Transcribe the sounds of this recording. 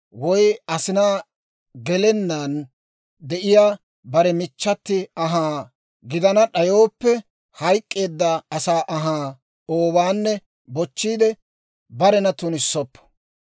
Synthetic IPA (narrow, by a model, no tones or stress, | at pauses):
wɔjɐsɪnaː | ɡɛlɛnːan | d̪ɛʔɪjaː | bɐɾɛmɪt͡ʃːɐt̪ːɪɐɦaː | ɡɪd̪ɐnɐɗɐjo̞ːpːɛ | hɐjkʼːe̞ːd̪ːɐɐsaːʔɐɦaː | oːbaːnːɛ | bɔt͡ʃːiːd̪ɛ | bɐɾɛnɐt̪ʊnɪsːɔpːɐ̥